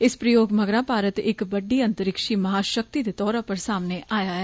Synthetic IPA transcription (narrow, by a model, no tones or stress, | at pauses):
ɪspɾəjoːɡməɡɾãːpaːɾət̪ɪkbəɖiːə̃nt̪əɾɪkʃiːmɐɦaːʃək̚t̪iːd̪et̪ɔːɾãːpəɾsaːmneːʔaːjaːɛː